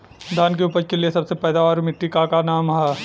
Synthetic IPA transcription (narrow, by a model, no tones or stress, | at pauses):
d̪ʱaːnk̬eupəɾkeliesɐbsepɛːd̪aʋaːɾmɪʈːikakanaːmɦɛː